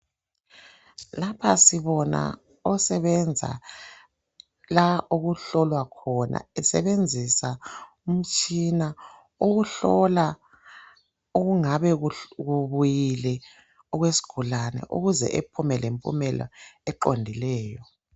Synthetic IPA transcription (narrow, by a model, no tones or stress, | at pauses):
lapʰasiβɔna̰ | ɔsɛβɛnd͡zʱa̰ | laʔoɣuɬɔlwakʰɔna̰ɛsɛ̰βend͡zʱisa | um̩t͡ʃʼina | oɣuɬɔla | oɣuŋaβɛɣuβujilɛ | ɔɣwesi̥ɡ̥ʱulanɛ̰ʔṵɣuzɛ̰ʔepʰumɛlempʼṵmɛlɔ̰ɛǃondʱilɛːjɔ